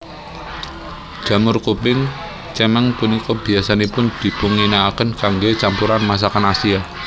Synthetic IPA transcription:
d͡ʒ̥ä̤mʊrkupɪŋ | t͡ʃɛmɛŋpunikɔb̥i̤asanepʊnd̪̥i̤b̥uŋinaːkənkaŋɡet͡ʃampuɾanmas̬akanasia

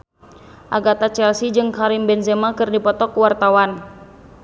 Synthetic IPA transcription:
ʔaɡat̪at͡ʃɛlsid͡ʒɨŋkaɾimbɛnzɛmakɨrdipɔt̪ɔkuwart̪awan

